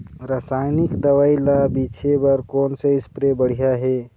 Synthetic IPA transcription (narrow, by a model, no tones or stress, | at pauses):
ɾəsajnikd̪əʋailabit͡ʃʰebəɾkoːnseɪspɾebəɽ̤ijaɦe